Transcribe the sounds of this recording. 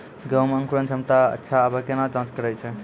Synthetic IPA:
ɡəwmə̃ŋkuɾənt͡ʃʰəmt̪aə̰tːʃʰaːbakenad͡ʒãːnt͡ʃkəɾɛjt͡ʃʰɛ

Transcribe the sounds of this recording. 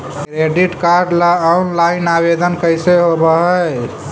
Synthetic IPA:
kɾeɖiʈkaɾɖlaːwnlajnabed̪ənkəjseɦobəɦəj

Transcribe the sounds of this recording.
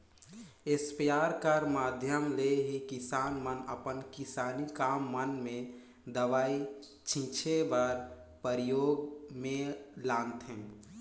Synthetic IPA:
ɪspijaːɾkəɾmaːd̪ʱjəmleɦikɪsaːnmənəpənkɪsaːnikaːmːənmẽ | d̪əʋaːi | t͡ʃʰĩt͡ʃʰebaɾ | pəɾɪjoːɡmẽlaːnt̪ɦɛ̃ː

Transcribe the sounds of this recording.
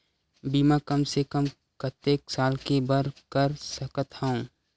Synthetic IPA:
biːmãkɐmsekəm | kət̪ːeːksaːlkebəɾkəɾsəkət̪hə̃õː

